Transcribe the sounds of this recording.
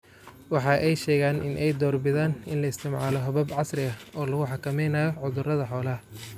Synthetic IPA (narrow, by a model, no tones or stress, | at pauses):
wɑħɑːʔɛjʃɛːɣaːnʔɪ̰nʔɛjd̪ɔːrbɪðaːnɪnlɐɪst̪ʰɪmʕɑːlɔɦɐβɐbʕɑsrɪɣɐɔːlɐɣʊħɑkʰɐmɛjnaːjɔʕʊðʊrɐðɐħɔːlɐ